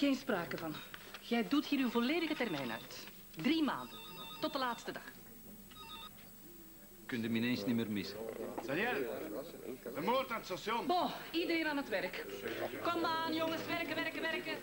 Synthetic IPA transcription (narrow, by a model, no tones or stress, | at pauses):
ɣeːnspraːkəvɑnɣɛjduthiːɾywvoleːdəɣətɛrmɛjnœ̰ɥt | drima̰ːndəntɔtdəlaːtstədɑx | kʏndəmineːnsnimeːrmɪsəzɛjɛl | dəmoːrtaətsasjɔnbɔidəɾeːnaːnɦətʋɛrkkɔmaːnjɔŋəsʋɛrkəʋɛrkəʋɛrkə